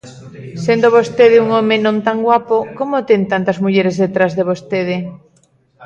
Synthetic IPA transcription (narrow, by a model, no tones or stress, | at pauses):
send̪oβost̪eðɪuŋomenõnt̪aŋɡwapokomot̪ent̪ant̪ɐzmuʎeɾezðet̪ɾazðeβost̪eð̞ɪ